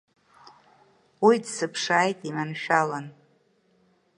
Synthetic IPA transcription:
widsɨpʰʂaːjtʼimanʃᶣalan

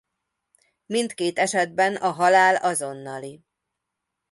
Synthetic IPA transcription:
mint̪keːt̪ɛʃɛd̪̚bɛnɒɦɒlaːlɒzo̞nːɒli

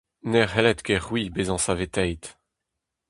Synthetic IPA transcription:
nɛʁɦɛlɛt̪ɡɛʁwibezɑ̃savet̪ɛjt̪

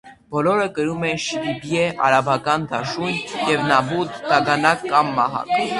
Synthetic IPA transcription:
b̥ɔlɔɾəkəɾumɛnʃiɾibjɛʔɑ̰ɾɑbɑkɑnd̪ɑʃunjɛvnɑbud̪ːɑɡɑnɑkːɑmːɑɦɑ̰k

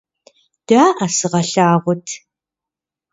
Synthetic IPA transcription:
d̥aːʔɐsɨʁɐɬaːʁʷʊtʰ

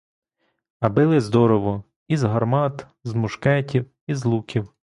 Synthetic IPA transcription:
ɐbɪlˠɪzd̪ɔɾɔʋɔ | izɦɐrmɑt̪ | zmʊʃkɛtʲiw | izlˠukʲiw

